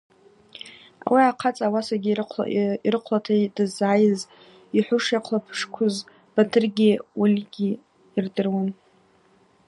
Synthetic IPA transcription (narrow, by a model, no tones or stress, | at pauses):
a̰wiaqʰat͡sʼawasaɡʲiiɾɨqʷʰlatʰadɨzaːjɪz | iħʷʊʂjaqʷʰlapʰʂkʷʰʊz | b̥atʰɨrɡʲiwulʲɡʲiː | rdɨrwan